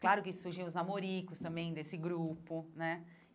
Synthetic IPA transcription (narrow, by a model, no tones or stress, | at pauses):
klaɾʊkɪsuɾʒĩw̃ʊznamoɾikʊst̪ɐ̃mbẽj̃d̪esɪɡɾupʊnɛ